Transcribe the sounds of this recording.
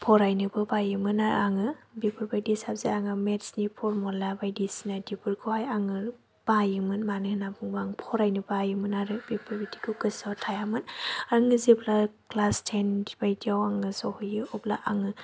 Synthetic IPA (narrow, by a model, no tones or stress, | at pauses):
pʰɔɾajnɯbɯbajɯmɯnaɾ̰aŋɯbibʰɯɾbajdisabziaŋɯmetsnipʰɔɾmɔlabajdisinadipʰɯɾkʰuhajaŋɯ | b̥ajɯmɯnmanɯhnabuŋbaŋpʰɔɾajnɯbajɯmɯnaɾɯbipʰabiti̥kʰɯɡɯsawtʰajamɯnaŋɯziblaklastʰendibajdiawaŋɯsɔhɯjɯɔbla̰ʔaŋɯ